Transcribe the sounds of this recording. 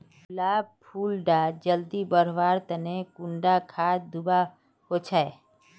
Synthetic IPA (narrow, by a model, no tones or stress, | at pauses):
laːb̚pʰuːlɖaːd͡ʒəld̪ibəɾʋaːɾt̪ənekʊ̃ɳɖakʰaːd̪ʊba | ɦoːt͡ʃʰae